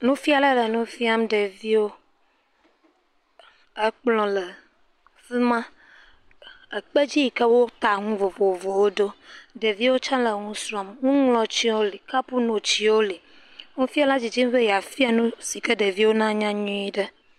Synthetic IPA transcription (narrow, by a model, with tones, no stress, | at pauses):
nũ˦fi˦a˨lə˦˨lə˨nũ˦fi˦a˦mɖə˨vi˦wo˦ | ə˦k͡plɔ̃˨lə˨ | fi˦mã˦ | ə˨k͡pə˦d͡ʑi˦ji˨kə˦wo˦t̪a˨ŋũ˦vo˨vo˨vo˨wo˦ɖo˦ɖe˨vi˦wo˦t͡ʃã˦lə˨ŋũ˦sɾɔ˨mŋũ˦ŋlɔ̃˨t͡ɕi˦wo˦li˨ka˦pu˦nõ˨t͡ɕi˨wo˦li˨ | ŋũ˦fi˦a˦la˦d͡ʑi˨d͡ʑi˦m˦bə˦ja˨fi˦a˦nũ˦si˨kə˦ɖə˨vi˦wo˦nã˦ɲã˦ɲũ˦i˦ɖə˦